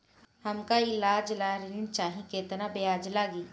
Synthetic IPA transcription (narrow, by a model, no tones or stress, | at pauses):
hɐmkaɪlaːd͡ʒlaːɾint͡ʃaːɦĩkeːt̪nabejaːd͡ʒlaːɡiː